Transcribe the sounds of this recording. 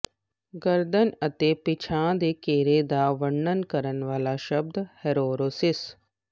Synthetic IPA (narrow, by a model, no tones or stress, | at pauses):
ɡəɾd̪ənɐt̪epɪt͡ʃʰãːd̪eːkeːɾeːd̪aːʋəɳːənkɐɾənʋaːlaʃɐb̚d̪heɾoːɾoːsɪs